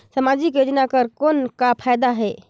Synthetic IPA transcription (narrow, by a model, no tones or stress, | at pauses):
səmad͡ʒikjod͡ʒnakəɾkonkapʰajd̪aɦe